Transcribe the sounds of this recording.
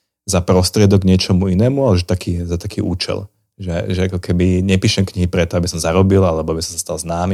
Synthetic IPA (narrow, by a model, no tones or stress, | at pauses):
zapɾɔst̪ɾɪɛd̪ɔɡɲɪɛt͡ʃɔmuinɛːmualɛʒɛt̪akiːzat̪akiːʔuːt͡ʃɛ̰l | ʒɛʒɛakɔkʰɛbiɲɛpiːʃɛmkɲiɦipɾɛt̪ɔabisɔmzaɾɔbilalɛbɔabisɔmsast̪alznaːmi